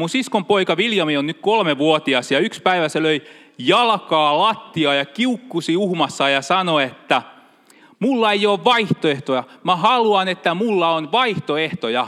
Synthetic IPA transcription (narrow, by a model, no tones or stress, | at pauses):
munsiskompoikɑʋiljɑmionnykkolmeʋuot̪iɑsjɑykspæiʋæseløi | jɑlkɑːlɑt̪ːiɑːjɑkiukːusiuhmɑsːɑjɑsɑnoet̪ːæ | mulːɑejoːʋʋɑiht̪oeht̪ojɑmæhɑluɑnet̪ːæmulːɑonʋɑiht̪oeht̪ojɑ